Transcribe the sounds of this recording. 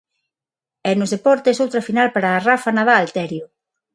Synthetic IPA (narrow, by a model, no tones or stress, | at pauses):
ɛnʊzðepɔɾt̪esowt̪ɾɐfinalpaɾaːrafanaðaːlt̪ɛɾjʊ